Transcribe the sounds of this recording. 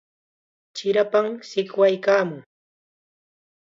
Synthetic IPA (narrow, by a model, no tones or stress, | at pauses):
t͡ʃɪɾapamsɪkwajkaːmʊŋ